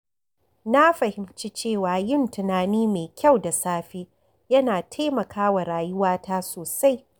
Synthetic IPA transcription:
na˦ɸɐ˨hɪ˨mt͡ʃi˦t͡ʃeː˦˨waː˨jɪ˦˨ntɪ˨naː˨niː˦meː˨kʲʰa˦˨wda˨saː˦ɸeː˦ | jɐ˦naː˨tʰeː˦mɐ˨kʰaː˦wa˨ɾaː˨jʊ˦waː˦taː˦soː˨sa˦j

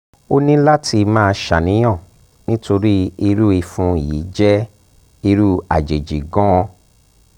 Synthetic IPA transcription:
o˦nĩ˦la˦tʰi˧mãː˦˧ʃa˨nĩ˨˦j̃ã˦˨ | nĩ˦to˧ɾi˦i˧ɾu˦i˧fũ˧˦i˨jḭ˨˦d͡ʒɛ˦ | i˧ɾu˦a̰˨d͡ʒe˨d͡ʒi˨ɡɔ̃˦ɔ̃˧

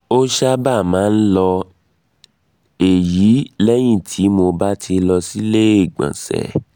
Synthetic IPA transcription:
o˦ʃa˦ba˦˨mãː˨˦n̩˦lɔ˧ | e˨ji˨˦lɛ˦j̃ĩ˦˨tʰi˨˦mo˧ba˦tʰi˧lɔ˧si˦le˦e˦˨ɡ͡bã̰˨sɛ̰˨

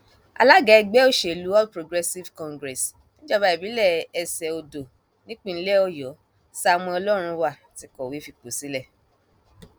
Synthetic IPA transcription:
a̰˨la˦ɡa˧ɛ˧ɡ͡bɛ˦o˦˨ʃe˨lu˨˦ɔ˦pɾo˨ɡɾɛ˧si˦vkɔ̃˧ŋɡɾɛ˨s | nĩ˦d͡ʒa˦˨ba˨˦i˨bi˨˦lɛ˦˨ɛ˧sɛ˨o˧do˨ | nĩ˦k͡pĩ˦˨n̩˦lɛ˦ɔ˦˨jɔ˨˦ | sa˧˦˧mɔ̃˧ɔ˧lɔ˦ɾ̃ũ˧wa˨ | ti˨˧kɔ˨wi˨˦fi˧k͡po˨si˦lɛ˦˨

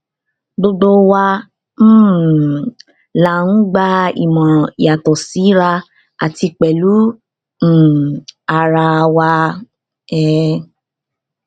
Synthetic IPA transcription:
ɡ͡bo˧ɡ͡bo˦˧wa˧ | m̩̃˦ | la˨n̩˦ɡ͡ba˧ḭ˨mɔ̃˨i˨ja˨tɔ˨si˨˦ɾa˧ | a˨ti˧k͡pɛ˨lu˨˦ | m̩̃˦˨a˨ɾa˧wa˧ | ɛ˦

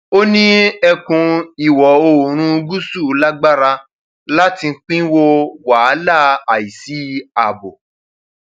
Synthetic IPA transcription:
o˦nĩ˦ɛ˧kũ˧i˨wɔ˨o˧˨ɾ̃ũ˧ɡu˦su˦˨˦la˦ɡ͡ba˦ɾa˧ | la˦ti˧ŋ̩˦k͡pĩ˦wo˦˧wa˨˦la˦˨a˨i˨si˨˦a˨bo˨

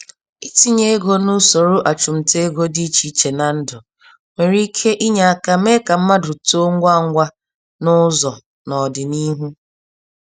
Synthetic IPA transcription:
i˦ti˦ɲe˦e˦ɡo˦nu˦so˨ɾʊ˦ʔa˨t͡ʃʊ˨m̩˨te˦e˦ɡo˦di˦t͡ʃi˦t͡ʃe˨na˨n̩˦dʊ˨ | mʷe˨ɾi˦kʰe˦ʔi˦ɲa˨a˨ka˨˦me˦ka˨m̩˦ma˦dʊ˨to˦ŋ˦ɡʷa˦˨ŋ̩˦ɡʷa˦ | nʊ˦zɔ˨ | nɔ˨dɪ˨ni˦ɦu˦

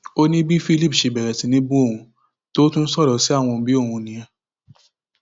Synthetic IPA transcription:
o˦nĩ˦bi˦fi˦li˦˨pʃe˨bɛ˨ɾɛ˨tĩ˨˦nĩ˧˦bũ˦o˦˨ũ˧ | to˦tũ˦n̩˦sɔ˦˨lɔ˨˦si˦a˦˨w̃ɔ̃˧bi˦o˦˨hũ˧nĩ˨ɛ̃˧

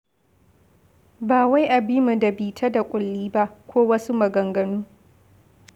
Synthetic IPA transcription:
baː˨wa˦jʔa˨bi˦mu˨dɐ˨biː˨tʰa˦da˨kʷʼʊ˨lːiː˦ba˦ʔkʷʰoː˦wɐ˦su˦mɐ˨ɡɐ˨ŋɡɐ˨nuː˦

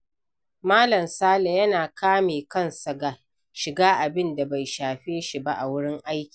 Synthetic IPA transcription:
maː˦lɐ˨msaː˦la˨jɐ˦naː˨kʰaː˦meː˨kɐ˦˨nsɐ˨ɡa˨ | ʃɪ˨ɡaː˦ʔa˨bɪ˦nda˨ba˨jʃaː˨ɸeː˦ʃi˨ba˦ʔa˨wʊ˦ɽɪ˦ŋʔa˦jkʲi̥˨

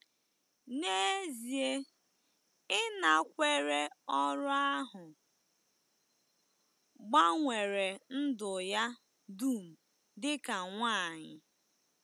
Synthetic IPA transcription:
ne˦zi˨e˦ | ɪ˦na˨kʷe˦ɾe˦ɔ˦ɾʊ˦a˦ɦʊ˨ | ɡ͡ba˦ŋʷe˨ɾe˨n̩˦dʊ˨ja˦ | du˦˨m̩˨ | dɪ˦ka˨ŋʷaː˦˨ɲɪ˨

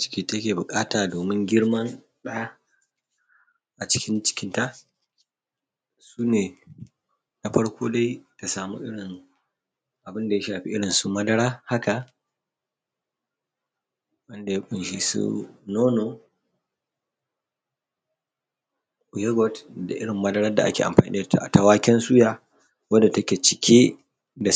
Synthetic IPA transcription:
t͡ʃɪ̥˦kʲiː˦ta˦kʲeː˨bʊ˨kʼaː˦taː˨doː˨mɪ˦ŋɡʲɪ˦ɽmɐ˦n | ɗa˦a˦ | ʔa˨t͡ʃɪ̥˦kʲɪ˦nt͡ʃɪ̥˦kʲɪ˦nta˦˨ | suː˦neː˨ | na˨ɸɐ˦ɽkʷoː˦da˦jka˨saː˨mṵ˦ʔɪ˦ɽɪ˨n | ʔa˨bɪ˦nda˨ja˦ʃaː˨ɸḭ˦ʔɪ˦ɽɪ˨nsu˦mɐ˦dɐ˦ɽaː˦ha˦ka˨ | wɐ˦nda˨ja˦ɓɪ˨nʃi˨sṵ˦noː˦noː˨ | ʔʊ˨jɛ˦ɡɔ˦tda̰˨ʔɪ˦ɽɪ˨mːɐ˦dɐ˦ɽɐ˦da˨ʔa˦kʲḛː˨a̰˨mɸaː˨nʔḭ˦da˨ta̰˨ʔta˨waː˦kʲɛ˦nsu˦jaː˨ | wɐ˦da˨tɐ˦kʲe˨t͡ʃɪ˨kʲʰe˦ | da˨

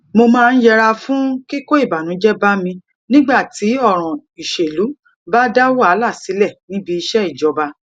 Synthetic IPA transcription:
mo˧mãː˦˧n̩˦jɛ˦˧ɾa˧fũ˦ki˦ko˦i˦˨ba˨nũ˨˦d͡ʒɛ˦ba˦mĩ˧ | nĩ˦ɡ͡ba˦˨ti˨˦ɔ˦˨ɾ̃ɔ̃˨ | i˨ʃe˨lu˨˦ | ba˦da˦wo˦a˨˦la˦˨si˨˦lɛ˦˨nĩ˨˦bi˧i˧ʃɛ˦i˦˨d͡ʒɔ˨˦ba˧

